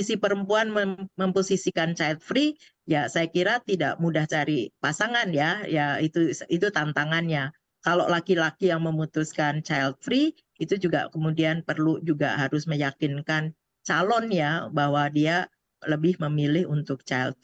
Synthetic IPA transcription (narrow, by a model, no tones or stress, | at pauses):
isipəɾəmpuanməməmposisikant͡ʃailt̪̚fɾi | jasajakiɾat̪ida̰ʔmudaht͡ʃaɾipasaŋanjajait̪uit̪ut̪ant̪aŋanɲa | kalo̰ʔlakilakijaŋməmut̪uskant͡ʃailt̪̚fɾi | it̪ud͡ʒuɡa̰kəmudianpərlud͡ʒuɡa̰ɦaɾʊsməjakɪnkan | t͡ʃalɔnjabaɦwadia | ləbɪhməmilɪhunt̪ʊk̚t͡ʃajlt̪̚